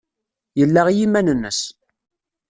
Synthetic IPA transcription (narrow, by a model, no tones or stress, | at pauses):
jəlːæʁjimænənːəs